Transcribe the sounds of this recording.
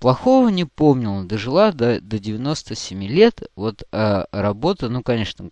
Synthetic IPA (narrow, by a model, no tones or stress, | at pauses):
plˠɐxo̞vənʲɪpo̞mnʲɪlˠəd̪əʐɨlˠad̪əd̪ədʲɪvʲɪno̞st̪əsʲɪmʲilʲe̞t̪vo̞t̪əɾɐbo̞t̪ənukɐnʲeʂnə